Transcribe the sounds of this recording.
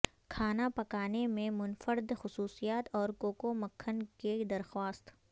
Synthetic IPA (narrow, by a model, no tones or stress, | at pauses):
kʰaːnapɐkaːnemẽmʊnfəɾd̪xʊsuːsijaːt̪ɔːɾkoːkoməkʰːənked̪ɐɾxwaːst̪